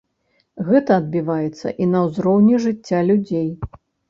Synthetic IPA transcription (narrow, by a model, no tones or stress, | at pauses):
ɣɛt̪ɐːd̪̚bʲivajɛt̪sːɐ̰ʔinɐwzɾɔwnʲɛʐɨt͡sʲːalʲud͡zʲej